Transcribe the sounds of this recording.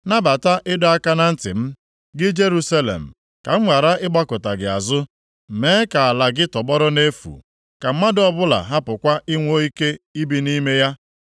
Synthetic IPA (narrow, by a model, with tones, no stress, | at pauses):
na˦ba˨ta˦ʔɪ˦dɔ˦a˦ka˦na˦n̩˦tɪ̰˨m̩˦ | ɡɪ˦d͡ʒe˦ɾu˦sa˦lḛ˨m̩˨ | ka˨ŋ̩˦ŋʷa˨ɾa˦ʔɪ˦ɡ͡ba˦kʊ˨ta˨ɡɪ˨a̰˨zʊ˦˨ | meː˦ka˨a˨la˨ɡɪ˦tɔ˨bɔ˦ɾɔ˦ne˦fṵ˨ | ka˨m̩˦ma˦dɔ˦bʊ˦la̰˨ɦa˦pʊ˨kʷa˦ʔɪ˦ŋʷo˦i˦ke˦i˦bi˨ni˦me˦ja˦